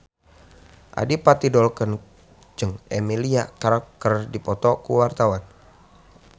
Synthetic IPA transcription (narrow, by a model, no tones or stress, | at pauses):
ʔa̰dipat̪idɔlkən | d͡ʒəŋemiliakaɾak̚t̪ərdipɔt̪ɔkuwart̪awan